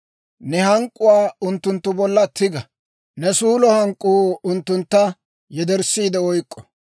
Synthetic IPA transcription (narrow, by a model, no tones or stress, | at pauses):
nɛhɐŋkʼːʊwaːʊnt̪ːʊnt̪ːʊbɔlːɐt̪ʰːɪɡɐ | nɛsuːlɔhɐŋkʼːuːʊnt̪ːʊnt̪ːɐ | jɛd̪ɛɾsːiːd̪ɛɔjkʼːɔ̥